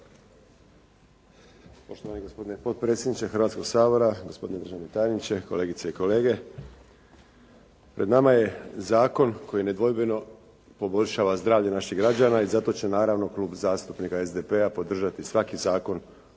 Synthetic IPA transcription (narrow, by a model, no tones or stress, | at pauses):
po̞ʃt̪oʋaneɡospo̞d̪inepo̞t̪̚pɾe̞ːt̪sʲjed̪nit͡ɕexr̩ʋat̪sko̞ɡsaːbo̞ɾaɡo̞spo̞d̪ined̪ɾ̩ʒaʋnet̪ajenit͡ɕe̞kole̞ːɡit̪seiko̞le̞ːɡe̞ | pɾʔe̞d̪namaje̞zaːko̞nkʰo̞jine̞d̪ʋo̞jbeno̞ | po̞bo̞ʎʲʃaːʋazd̪ɾaːʋʎenaʃiɣɡɾad͡ʑaːnaizat̪o̞t͡ɕenaːɾaʋno̞klˠuːbzaːst̪upnikaezd̪epe̞apo̞d̪r̩ʒat̪isʋakizaːko̞n